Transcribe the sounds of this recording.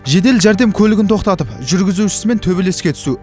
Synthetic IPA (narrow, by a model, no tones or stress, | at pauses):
ʒe̞d̪e̞lʒæɾd̪e̞mkʲʰɵlɪɡʲɪnt̪ʰo̞qt̪ɑt̪əpʒʏɾɡʲɪzuʃɪ̥sɪme̞nt̪ʰɵbele̞skʲe̞t̪ʰʏ̥su